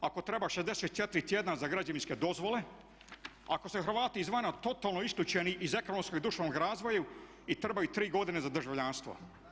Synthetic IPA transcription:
ako̞t̪ɾe̞baʃezd̪eset̪̚ːjet̪iɾit̪jed̪nazaɡɾad͡ʑaʋinsked̪o̞zʋo̞le̞ | ako̞suxɾʋaːt̪iːzʋaːnat̪o̞t̪aːlˠnoisklʲut͡ɕeniʔize̞ko̞nomskoɡid̪uʃanoɡɾaːzʋo̞ju | it̪ɾe̞bajut̪ɾiːɡo̞d̪ine̞zad̪rʒaʋʎanst̪ʋo̰

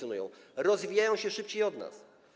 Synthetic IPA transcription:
jɔnujɔ̰̃w̃ɾɔzvʲijajɔ̃w̃ɕɛʂɘp̚t͡ɕejɔd̪na̰s

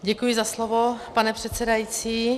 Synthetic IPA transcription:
ɟɛkujɪzaslovopanɛpr̥ɛt̪t͡sɛdajiːt͡siː

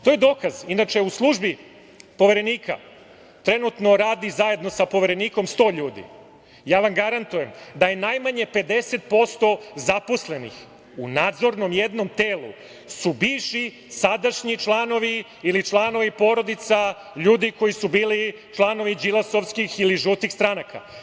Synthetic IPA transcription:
t̪ojed̪o̞ːkazinat͡ʃe̞uslˠuʒbi | po̞ʋe̞ɾe̞niːka̰ | t̪ɾe̞nut̪no̞ɾaːd̪izaje̞d̪no̞sapo̞ʋe̞ɾe̞niːko̞mst̪o̞ːʎuːd̪ḭ | jaːʋamɡaɾant̪uje̞md̪aje̞najmaɲe̞pe̞d̪e̞set̪̚po̞st̪o̞zapo̞sle̞nḭx | unaːd̪zo̞ɾno̞mjed̪no̞mt̪eːlˠṵ | subiʋʃi | sad̪aʃɲit͡ʃlˠaːno̞ʋiː | lit͡ʃlˠano̞ʋipo̞ːɾo̞d̪it̪sa | ʎuːd̪iko̞jisubiːli | t͡ʃlˠaːno̞ʋid͡ʑilˠaso̞ʋskixiliʒut̪ixst̪ɾanaka̰

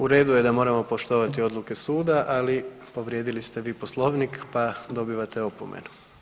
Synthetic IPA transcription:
uɾe̞ːd̪uje̞d̪amoɾamo̞po̞ʃt̪o̞ʋat̪io̞d̪lˠuke̞suːd̪aʔali | po̞ʋɾjed̪ilist̪eʋiːpo̞slˠo̞ːʋnikpad̪o̞biʋat̪e̞o̞po̞̰mḛn

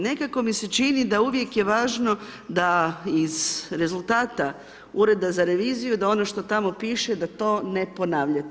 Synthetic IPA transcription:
ne̞kako̞mise̞t͡ʃinid̪auʋje̞kje̞ʋaːʒno̞d̪aizɾe̞zult̪aːt̪a | uɾe̞d̪azaɾe̞ʋiːzijud̪ao̞no̞ʃt̪o̞t̪amo̞piːʃe̞d̪at̪o̞ːne̞po̞naːʋʎat̪

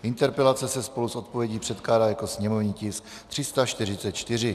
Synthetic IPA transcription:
ʔɪnt̪ɛɾpɛlat͡sɛsɛspo̞lusʔo̞t̪̚po̞vjɛɟiːpr̥ɛt̪klaːdaːjako̞sɲɛmo̞vɲiːcɪs | t̪r̝̥ɪst̪at͡ʃt̪ɪr̝ɪt͡sɛt̪̚t͡ʃt̪ɪr̝ɪ

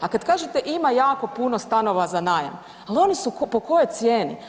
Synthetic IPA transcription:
akad̪kaːʒet̪e̞ʔimajaːko̞puno̞st̪ano̞ʋazanaːja̰m | alo̞nisukpo̞ko̞jo̞jt̪sje̞ːni

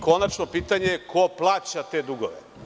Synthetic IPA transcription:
ko̞nat͡ʃnopiːt̪aɲeekʰoplˠaːt͡ɕat̪e̞d̪uɡoʋḛ

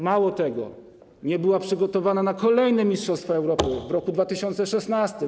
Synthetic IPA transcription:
mawɔt̪ɛɡɔ̰ | ɲɛbɘwapʂɘɡɔt̪ɔvananakɔlɛjnɛmʲistʂɔst̪fɔɛwɾɔpɘvɾɔkud̪vat̪ɘɕɔnt̪sɛʂɛsnast̪ɘ

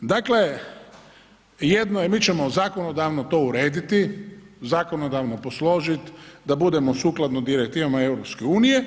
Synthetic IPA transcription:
d̪akle̞ | jed̪noje̞miːt͡ʃemo̞zaːko̞no̞d̪aʋnot̪o̞ːuɾe̞ːd̪it̪izaːko̞nod̪aʋno̞po̞slo̞ʒit̪d̪abud̪e̞mo̞suːklˠad̪nod̪iɾekt̪iːʋamae̞wɾo̞pskeuːnije

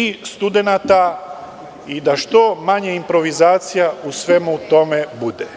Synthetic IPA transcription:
ist̪ud̪e̞nat̪a | id̪aʃt̪o̞maɲeimpɾo̞ʋizaːt̪sijausʋe̞mut̪o̞me̞bud̪e

